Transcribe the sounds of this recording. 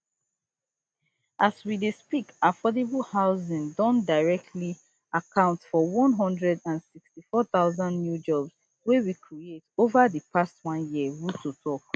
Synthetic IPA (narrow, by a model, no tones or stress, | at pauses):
ʔaswidespikafɔdebəlhaʊzĩŋdɔ̃ndaɪɹɛk̚tʰli | akʰãʊ̃ntfɔwɔ̃nɦɔ̃ndɹɛdãnsikstifɔθaʊzãnːnjud͡ʒɔbs | wewikʰɹietovaðəpʰastwɔ̃njiəwutotʰɔk